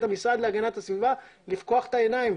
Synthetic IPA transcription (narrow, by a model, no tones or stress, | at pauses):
t̪amisʁad̪leaɡanat̪hasvivalivko̞aχe̥t̪aenaim